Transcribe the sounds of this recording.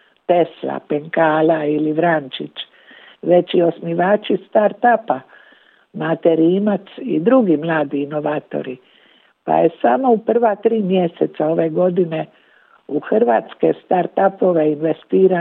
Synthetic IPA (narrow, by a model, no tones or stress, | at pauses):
t̪e̞sla̰peŋkaːlailiʋɾant͡ʃit͡ʃ | ʋe̞t͡ɕio̞smiʋaːt͡ʃist̪aɾt̪apa | mat̪eɾiːmat̪sḭd̪ɾuɡimlˠaːd̪iːno̞ʋaːt̪o̰ɾi | pa̰je̞samo̞upr̩ʋat̪ɾiːmje̞sḛt̪sao̞ʋe̞ɡo̞d̪ine̞ | uxr̩ʋaːt̪ske̞̰st̪aɾt̪apo̞ʋeinʋest̪iːɾa